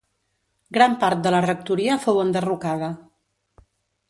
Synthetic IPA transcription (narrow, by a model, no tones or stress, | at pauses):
ɡɾampaɾt̪̚d̪ələrək̚t̪uɾiəfowənd̪ərukaðə